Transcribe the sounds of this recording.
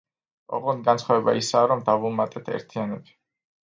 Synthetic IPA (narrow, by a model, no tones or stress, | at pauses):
ɔ̰ʁɔnɡansʰχavɛba̰isaːɾɔmd̪avumat̪ʼɛt̪ʰɛ̰ɾt̪ʰianɔbi̥